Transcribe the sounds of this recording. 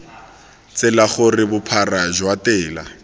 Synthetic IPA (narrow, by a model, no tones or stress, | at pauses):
t͡sɪlaχʊrɪbʊpʰaraʒwatɛːla̰